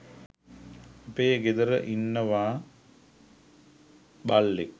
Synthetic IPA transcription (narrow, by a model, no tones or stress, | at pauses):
apeːɡed̪əɾəʔinːəʋaː | balːek̚